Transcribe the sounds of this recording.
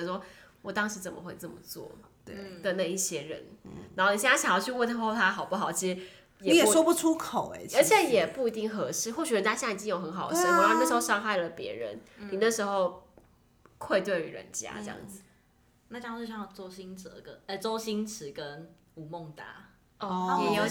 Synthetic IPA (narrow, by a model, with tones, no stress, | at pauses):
ʂwɔ˥wɔ˨˩t̪ɑ˥ŋʂɻ̩˧˥t͡sə˨˩mə̰˨˦xwe˥˧ɪt͡sɤ˥˩mə̰˩t͡swɔ̰˥˩t̪wḛ˧˩d̪ə˨na˥˧i˥˩ɕjɛ˥ɻə̰˧˦nna˨˧˦xo˥˩ni˨˩ɕjɕjɑ˨ŋjɑ˥˩t͡ɕʰy˥˧wnt̪ʰa˥xo˥˩ʊt̪ʰa˥xɑ˨˩ʊpu˥˩xɑ˨˩ʊt͡ɕʰi˧˥ʂ̩˨˩ | jɛ˨˩˦jɛ˨˩˥ʂwɔ˥pu˥˩ʈ͡ʂʰu˥kʰo˨˩ʊḛ˧˦t͡ɕʰə˞˧˥t͡ɕʰjɛ˨˦jɛ˨˩pu˥˩i˧˥t̪i˥˩ŋxɤ˧˦ʂɻ̩˥˨xwɔ˥˩ɕy˨ɻə˧˦nt͡ɕa˥jn˥˨˩t͡ɕi˥jo˨˩xə˧˦nxɑ˨˩ʊʂə˥n˨˧˥na˥˩ʂ̩˧˦xo˥˧ʊʂɑ˥˧ŋxa˥˩ɪlə˩pjɛ̰˧˥ɻə̰˧˦nni˨˩na˥˩ʂɻ̩˧˥xo˥˧ʊ | kʰwe˥˧ɪt̪we˥˩ɪy̰˨˥ɻə̰˧˦nt͡ɕja̰˥ʈ͡ʂe˥˧jɑ̰˥˩ŋd͡z̩˨˩ | na˥˧˩t͡ɕjɑ˥˧o˥˧˩ɕjɑ˥˩ŋ˥˩t͡so˥ʊɕi˥nt͡sə̰˨˧˦ɡə̰˧˩ə˧˩t͡so˥˦ʊɕi˦nt͡s̩ʰ˧˥kə˦n | u˨˩mɔ˥˨˩ŋt̪a˥˧ | ɔ˧˥jjo˨